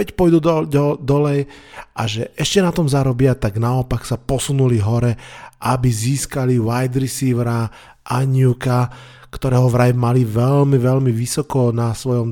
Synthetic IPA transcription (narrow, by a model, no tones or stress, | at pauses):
ɛcpɔjd̪ud̪d̪ɔlɛjʔaʒɛʔɛʃcɛnat̪ɔmzaɾɔbɪat̪aɡnaɔpaksapɔsunuliɦɔɾɛʔabiziːskaliwajd̪ɾisiʋɾa | ʔaɲɪuka | kt̪ɔɾɛːɦɔʋɾajmaliʋɛlmiʋɛlmiʋisɔkɔnasʋɔjɔm